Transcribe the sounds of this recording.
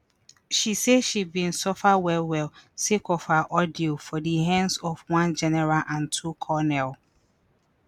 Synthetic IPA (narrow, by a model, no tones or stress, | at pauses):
ʃiseʃibĩnsɔfawɛlwɛlsekɔfhaʔɔdiofɔdiɦɛ̃nsɔfwãnd͡ʒɛnɛɹalʔãntʰukʰɔnɛl